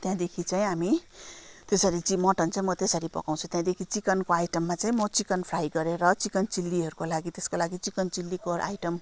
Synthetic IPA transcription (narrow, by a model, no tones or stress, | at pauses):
t̪jãd̪ekʰit͡saj̃ɦami | t̪esʌɾit͡simʌʈʌnt͡saĩmʌt̪esʌɾipʌ̰kaw̃t͡sʰũt̪jãd̪ekʰit͡sikʌnkoajʈʌmːat͡saĩmʌt͡sikʌnpʰrajɡʌɾeɾʌt͡sikʌnt͡silːiɦʌɾukolaɡit̪eskolaɡit͡sikʌnt͡silːikora̰jʈʌm